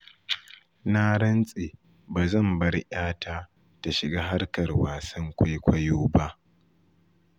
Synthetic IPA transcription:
na˦ɽɐ˦nsʼe˨ | baː˨zɐ˦˨mbɐ˦ɽʔaː˦tʰaː˦ | ta˨ʃɪ˨ɡaː˦ɦa˦rkɐ˨rwaː˨sɐ˦ŋkʷa˦jkʷɐ˦joː˦ba˦ʔ

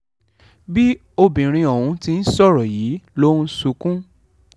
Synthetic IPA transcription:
bi˦ | o˧bĩ˨ɾ̃ĩ˧ɔ˨wũ˧ti˧n̩˦sɔ˦˨ɾɔ˨jiː˨˦lo˦su˧kũ˦

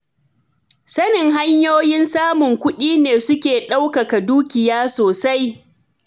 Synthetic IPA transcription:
sɐ˦nɪ˨ŋɦa˦ɲjoː˦jɪ˦nsaː˦mʊ˨ŋkʷʊ˦ɗiː˦neː˨sʊ˦kʲeː˨ɗa˦wkɐ˨ka˨duː˦kʲɪ˨jaː˦soː˨sa˦j

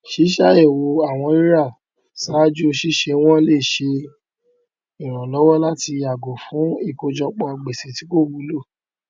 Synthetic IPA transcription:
ʃi˨˦ʃa˦˨e˦˨wo˨˧a˦˨w̃ɔ̃˧i˦ɾa˦˨ | sa˨˦d͡ʒu˦o˧ʃi˦ʃe˧w̃ɔ̃˦le˦˨ʃe˧ | i˨ɾ̃ã˨lɔ˨˦wɔ˦la˦ti˧ja˨ɡo˨fũ˨˦i˦˨ko˧d͡ʒɔ˧k͡pɔ˧a˧ɡ͡be˨se˨ti˨˦ko˦˨wu˨˦lo˦˨

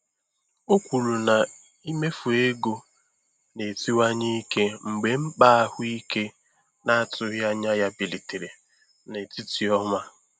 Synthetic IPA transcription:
o˦kʷu˨lu˨na˨ | i˦me˦fu˨e˦ɡo˦ | ne˨ti˦wa˦ɲi˦ke˦ŋ͡m̩˨ɡ͡be˨m̩˦k͡pa˦a˦hʊ˦i˦ke˦ | na˦a˦˨tʊ˦ja˦ɲa˦ja˦bi˨li˨te˨ɾe˨ | ne˨ti˦ti˨ɔ˦ma˦

